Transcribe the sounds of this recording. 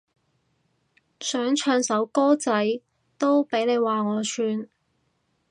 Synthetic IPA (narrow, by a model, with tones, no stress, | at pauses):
sœː˨˥ŋt͡ʃʰœː˧ŋsɐ˨˥wkɔː˥t͡sɐ˨˥j | t̪o˥wpe˨˥jne˨˧jwaː˨˩ŋɔː˨˧sʰyː˧n